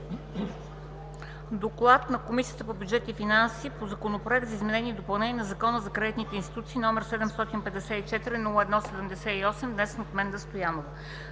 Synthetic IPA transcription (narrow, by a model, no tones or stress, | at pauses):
d̪oklˠat̪nɐkomisijət̪əpobʲjudd͡ʒɛt̪ifinansipozɐkonopɾoɛkt̪zəizmɛnɛniɛd̪opɐlˠnɛniɛnɐzɐkɔnəzɐkɾad̪it̪nit̪ɛinst̪it̪ut̪siːnɔmɛɾsɛd̪ɛmst̪ɔt̪inpɛd̪ɛsɛit͡ʃɛt̪iɾinulˠəɛd̪nɔsɛd̪ɛmd̪ɛsɛiɔsɛmd̪nɛsnot̪mɛnd̪ɐst̪ojanov